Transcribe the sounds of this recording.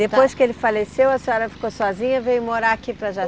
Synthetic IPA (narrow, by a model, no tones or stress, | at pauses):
d̪epojskɪelɪfalesewɐsɔɾɐfi̥kosɔzĩɲɐvẽjʊmoɾakipɾɐʒa